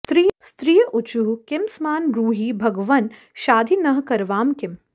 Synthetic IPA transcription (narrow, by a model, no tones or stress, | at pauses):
t̪ɾist̪ɾiːjʔʊt͡ʃuɦkɪmsmaːnɾuːɦiːbʱɐɡʋɐn | ʃaːd̪ʱinɐɦkɐɾʋaːmkɪm